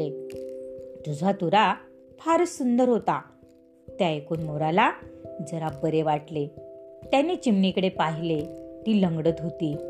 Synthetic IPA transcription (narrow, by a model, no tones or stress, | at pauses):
e | t̪ud͡zʱat̪uɾa | fʰaɾsund̪əɾɦot̪a | t̪jaekuːnmoɾalad͡zəɾabəɾeʋaʈlet̪janit͡ɕimɳikəɽepaɦilet̪iːləŋɡɽət̪ɦot̪iː